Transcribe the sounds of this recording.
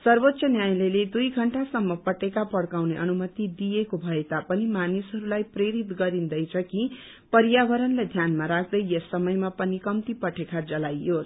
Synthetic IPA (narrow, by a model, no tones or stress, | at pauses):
sʌrbot̪ːsʌnjajleled̪ujɡʱʌɳʈasʌmːʌpʌʈekapʌɽkawneʔʌnumʌt̪id̪ijekobʱʌet̪apʌnimanisɦʌɾulajpreɾit̪ɡʌɾind̪ʌjt͡sʰʌki | pʌɾjabʌɾʌnled̪ʱjanmaɾak̚ʰd̪ʌjjʌsːʌmʌjmapʌnikʌmt̪ipʌʈʰekad͡zʌlajo